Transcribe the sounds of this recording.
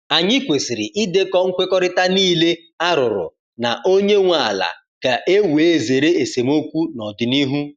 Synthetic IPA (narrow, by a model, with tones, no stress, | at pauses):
a˨ɲɪ˦kʷe˨si˨ɾi˨ʔi˦de˦kɔ˦ŋ̩˦kʷe˦kɔ˦ɾɪ˦ta˦niː˦le˦ | a˦ɾʊ˨ɾʊ̰˨ | na˨ʔo˦ɲe˦ŋʷa˨la̰˨ | ka˨ʔe˦we˨˦˨ze˨ɾe˦e˨se˨m˦o˦kʷu˦nɔ˨dɪ˨ni˦ɦu˦